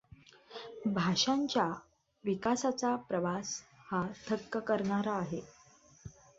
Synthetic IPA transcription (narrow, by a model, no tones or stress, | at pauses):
bʱaʂaɲt͡ɕja | ʋikasat͡sapɾəʋashat̪ʰəkːəkəɾɳaɾaːɦe